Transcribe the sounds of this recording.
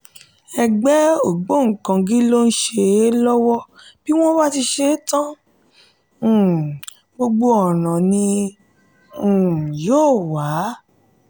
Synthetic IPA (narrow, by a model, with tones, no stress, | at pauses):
ɛ˧ɡ͡bɛ˦o˦˨ɡ͡bo˦˨ŋ̩˨kã˧ɡi˦lo˦n̩˦ʃe˧˦lɔ˦wɔ˦b̥i˦w̃ɔ̃˦ba˦ti˧ʃe˧˦tã˦˨ | ɡ͡bo˧ɡ͡bo˧ɔ˨nã˨nĩ˧˨ | joː˦˨wa˨˦